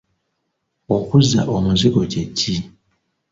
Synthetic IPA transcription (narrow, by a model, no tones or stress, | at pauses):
okuzːa̰ʔomuziɡo̞cecːi